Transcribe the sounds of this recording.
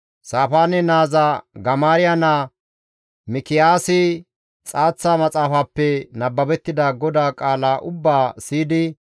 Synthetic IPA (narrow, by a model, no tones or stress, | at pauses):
saːfaːnɛnaːzɐɡɐmaːɾɪjana | mɪkɪjaːsɪ | t͡sʼaːt͡sːaːmɐt͡sʼaːfaːpːɛnɐbːɐbɛt̪ːɪd̪aɡɔd̪aːkʼaːlaːʔʊbːaːsiːd̪ɪ